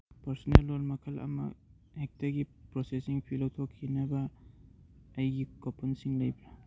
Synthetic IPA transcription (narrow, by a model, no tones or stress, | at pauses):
pɐɾsɔnelːolmɐkʰɐlɐ̰mɐ̰ | ek̚tɐɡipɾosesiŋpʰilɐwtʰokʰːinɐbɐ | jɡikopʰɐnsiŋlɐjbla